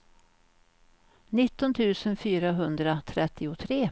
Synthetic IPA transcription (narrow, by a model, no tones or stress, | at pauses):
nɪt̪ːɔnt̪ʰʉ̟ːsənfyːɾaɦɵnd̪ɾat̪ʰɾɛt̪ʰːɪʊt̪ʰɾeː